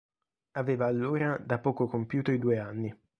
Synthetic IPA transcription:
aveːvaːlːoːɾad̪apːɔːkokompjuːt̪oid̪uːeanːi

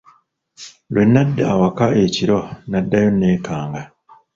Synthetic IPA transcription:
lwenːadːaawakaeciɾonadːajonːeːkaːŋɡa

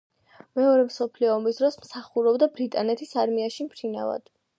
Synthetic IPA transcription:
mɛɔɾɛmsɔpʰliɔːmisd̪ɾɔsmsaχuɾɔbd̪abɾit̪ʼanɛt̪ʰisaɾmiaʃimpʰɾina̰va̰d̪̥

